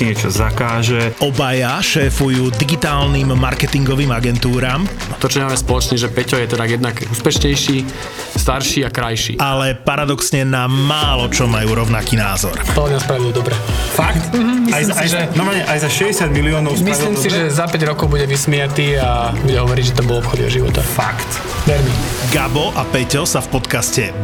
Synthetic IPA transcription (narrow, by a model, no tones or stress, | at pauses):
iɲɛt͡ʃɔzakaːʒɛɔbajaʃɛːfujuːd̪iɡit̪aːlnimːaɾkɛt̪iŋɡɔʋiːmaɡɛnt̪uːɾaːm | t̪ɔt͡ʃɔɲɛmaːmɛspɔlɔt͡ʃniʒɛpɛcɔjɛt̪ɛd̪ajɛd̪nakuːspɛʃɲɛjʃiː | st̪aɾʃiːakɾajʃḭːʔalɛpaɾad̪ɔksɲɛnamaːlɔt͡ʃɔmajuːɾɔʊnakiːnaːzɔ̰ɾpɔlɡnaspɾaʋiɛd̪ɔbɾɛfakt̪̩iajajanɔɾmalɲɛʔajzaʃɛɟɛsɪad̪̚miliɔːnɔʊmisliːmsiʒɛzapɛɟɾɔkɔʊbuɟɛʋismɛjat̪iːabuɟɛɦɔʋɔɾiɟʒɛt̪ambɔlɔpxɔd̪ḭɔ̰ʒiʋɔ̰t̪afakt̪ | ʋɛɾmiɡabɔʔapɛcɔsafpɔt̪kascɛ